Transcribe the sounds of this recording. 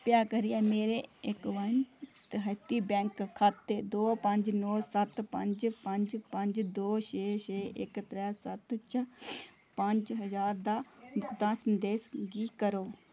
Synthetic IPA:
pjaːkəɾijaːmeːɾeɪkʋɐnt̪əɦət̪iːbɛ̃ːŋkʰːaːt̪ːeːd̪oːpɐ̃ɲd͡ʒnoːsɐt̪pɐ̃ɲd͡ʒpɐ̃ɲd͡ʒpɐ̃ɲd͡ʒd̪oːʃeːʃeːɪkt̪ɾɛːsɐt̪t͡ʃʰə | pɐ̃ɲd͡ʒɦəzaːɾd̪aːmʊkt̪ãːsənd̪eːsɡiːkəɾoː

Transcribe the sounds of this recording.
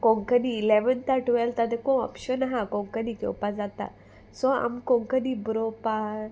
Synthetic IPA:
kɔ̃ŋkəniːlɛʋənt̪aɾʈuʋɛlt̪ad̪ɛkɔ̃ɔ̰pɕənɦãkɔ̃ŋkənikɔ̰wpad͡zat̪a̰ | sɔa̰mkɔ̃ŋkənibɾɔpa

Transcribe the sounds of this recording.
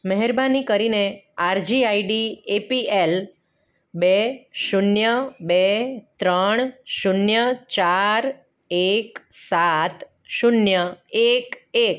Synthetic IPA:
məɦɛɾbanikəɾineaɾd͡ʒiaiɖiepiel | beʃunjəbet̪ɾəɳ̃ʃunjət͡ʃaɾ | eksat̪ | ʃunjəekek

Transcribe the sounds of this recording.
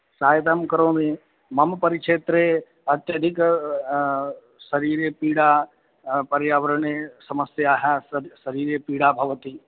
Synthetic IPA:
saːjt̪amkɐɾõːmẽ | mɐmpɐɾɪkʃeːt̪ɾe | ɐt̪jəd̪ʱɪk | sɐɾiːɾepiːɽaː | pɐɾjaːʋəɾəɳesɐməsjaːɦasɐɾiːɾepiːɽaːbʱɐʋət̪iː

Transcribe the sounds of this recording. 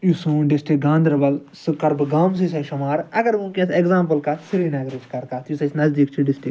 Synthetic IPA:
jusũɖɪsʈɾik̚ɡãːnd̪ɐɾbɐlsɨkɐɾbɨɡaːms̬is̬ɐʃɐmaːɾɐɡɐɾʋũːkʲeseɡzaːmpɐlkasiɾiːnaːɡɾed͡ʒkɐɾkat̪jusɐsnɐzd̪ikt͡ʃʰiɖɪsʈɪk

